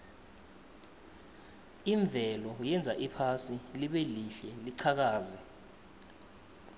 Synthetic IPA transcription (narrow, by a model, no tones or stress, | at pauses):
iɱb̪vʱɛlɔjɛnd͡zʱaʔipʰasiliɓɛliɬɛliǀʰak̬aːzɛ